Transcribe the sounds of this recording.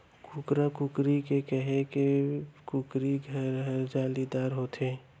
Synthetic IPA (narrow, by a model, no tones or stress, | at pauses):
kukɾakukɾikekɛɦẽkekʊkɾiɡʱəɾɦɾd͡ʒaːlid̪aːɾɦot̪ʰeː